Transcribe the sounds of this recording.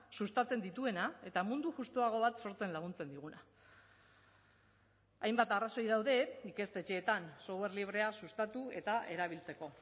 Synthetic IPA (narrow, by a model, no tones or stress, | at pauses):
sust̪at͡se̞nd̪it̪ue̞nae̞t̪amund̪uʝust̪oaɣ̞o̞β̞at̪so̞ɾt͡se̞nlaɣ̞unt͡se̞nd̪iɣ̞una | ajmbat̪araso̞jðawðe̞ike̞st̪e̞t͡ʃe̞ːt̪anso̞ɣe̞ɾrliβ̞ɾe̞asust̪at̪ue̞t̪aʔe̞ɾaβilt͡se̞ko̞